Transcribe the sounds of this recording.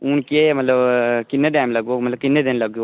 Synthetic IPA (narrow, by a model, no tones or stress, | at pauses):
unkemɐt̪ləbkɪnːeɖaːmlɐɡomɐt̪ləb̚kɪnːed̪enlɐɡjo